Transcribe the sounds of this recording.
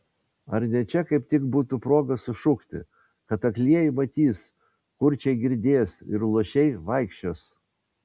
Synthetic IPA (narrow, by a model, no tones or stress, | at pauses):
ɐɾnʲɛt͡ʃʲɛkɐɪpt̪ʲɪɡbuːt̪upɾoːɡɐsʊʃʊkt̪ʲɪ̰ | kɐt̪ɐklʲiɛjɪmɐt̪ʲiːs | kʊɾʲt͡ʃʲɛɪɡʲɪɾʲd̪ʲeːsɪɾlˠuɔʃʲɛɪʋɐɪkʃʲt͡ʃʲoːs